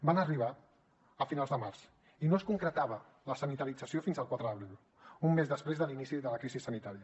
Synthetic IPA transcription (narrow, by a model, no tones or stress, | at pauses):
banəriβ̞a | əfinalˠzðəmarz | inoəskuŋkɾət̪aβ̞ə | ləsənit̪əɾid͡zəsiofinzəlˠkwat̪ɾəðəβɾilˠ | umːezðəspɾezðəlinisiðələkɾizisːənit̪aɾiə